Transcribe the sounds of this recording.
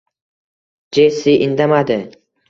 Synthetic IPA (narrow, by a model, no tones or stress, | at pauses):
d͡ʒesɪʔɪnd̪amad̪ɪ